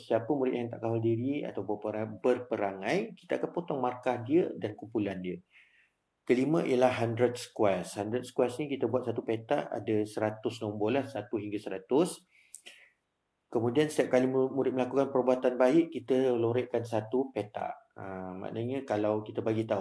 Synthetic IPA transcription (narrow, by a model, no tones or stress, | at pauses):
siapəmuɾɪt̪ʔ̪̚jaŋt̪aʔkaɦɔldiɾia̰t̪awbəpəɾapərpəɾaŋãjkit̪aakanpot̪ɔŋmarkahdiədankumpulandiə | kəlimə̃ʔḭjəlahɦandɾət̪̚sə̥kwashandɾət̪sə̥kwasnikit̪əbuat̪̚sat̪upet̪aʔa̰dasəɾat̪ʊsnɔ̃mbɔlahsat̪uɦiŋɡasəɾat̪ʊs | kəmũdiansət̪iap̚kalimuɾɪt̪̚məlakukanpərbuat̪anbaɪʔkit̪əloɾɛʔkansat̪upet̪a̰ʔəma̰ʔnəɲəkalawkit̪əbaɡit̪au